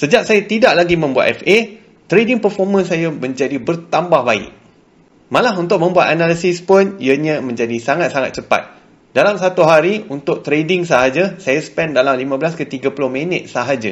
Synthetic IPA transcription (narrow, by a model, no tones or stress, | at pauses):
səd͡ʒaʔ̚sajat̪idaʔlaɡimə̃mbua̰t̪ɛfe | t̪ɾedɪŋpərfɔrmə̃nsajamə̃ɲd͡ʒadibərt̪ambahbaɪ̰ʔ̚ | mãlaɦunt̪ʊk̚mə̃mbuat̪analisɪspʊniəɲãmə̃ɲd͡ʒadisaŋat̪̚saŋa̰t̪̚t͡ʃəpa̰t̪̚ | dalamsat̪uɦaɾiunt̪ʊk̚t̪ɾedɪŋsaɦad͡ʒasajasə̥pɛndalamlimãbəlaskət̪iɡapulʊhmə̃nət̪̚saɦad͡ʒa